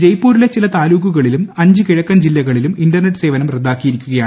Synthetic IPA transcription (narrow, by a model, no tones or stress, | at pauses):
d͡ʑejpːoːɾile̞t͡ɕːilɐt̪aːluːɣuɣɐɭilumɐɲd͡ʑɨkiɻɐkːɐmd͡ʑilːɐɣɐɭiluminɖɐrneʈːɨse̞ːʋɐnɐmred̪ːaːkːijiɾikʲːuɣɐjaː